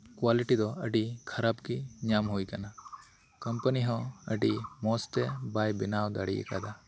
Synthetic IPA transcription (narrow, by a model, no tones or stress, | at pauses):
kwaliʈid̪ɔəɖikʰɐɾabkiɲamɦuijkana | kɐmpəniɦɔ̃əɖimɔst̪ɛbajbɪnawd̪a̰ɽiɛ̰ka̰d̪a